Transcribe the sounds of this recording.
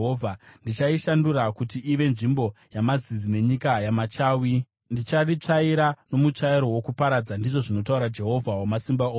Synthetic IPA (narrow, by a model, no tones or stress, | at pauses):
ovʱandit͡ʃaiʃandurakutiiʋe̞nʐimbo̞ | jamazizine̞ɲikajamat͡ʃaːwi | ndit͡ʃarit͡ʂaiɾano̞mut͡ʂaiɾo̞wo̞kupaɾad͡zandiʐoʐino̞t̬auɾad͡ʒe̞ɦo̞vʱawomasimbao